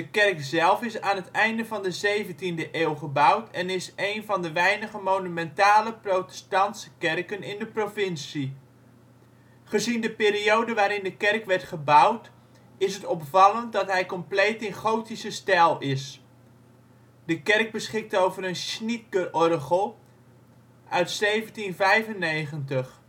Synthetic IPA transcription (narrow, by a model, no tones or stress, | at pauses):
dəkɛrkzɛlˠfɪsaːnɦətɛjndəvɑndəzejvəntindəʔeːlˠχəbʌwtɛnɪsejnvɑndəʋɛjnəχəmownymɛntaːləprotɛ̥stɑntsə̥kɛrkənɪndəprovɪnsi | χəzindəpɪːɾiowdəʋaːɾɪndəkɛrkʋɛrtχəbʌwt | ɪsɦətɔpfɑlənt̚dɑtɦɛjkɔmplejtɪnχowtisəstɛlˠɪs | dəkɛrk̚bəsχɪk̚towvəɾənsnit̚ɡərɔrχəlˠ | ʔœɥtsejvəntinvɛjvənːejχəntəχ